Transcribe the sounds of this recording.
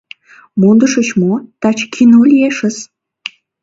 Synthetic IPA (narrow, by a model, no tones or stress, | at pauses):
mond̪əʃət͡ɕmot̪ɑt͡ɕkʰinolʲieʃəs